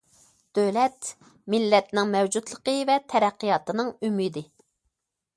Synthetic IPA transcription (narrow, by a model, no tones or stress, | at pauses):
d̪̥øwlɛt̪ | mɪlːɛt̪nɪŋmɛwd͡ʒut̪lˠəqəvɛt̪ʰɛɾɛqːijɑt̪ɨnɨŋymid̪ɪ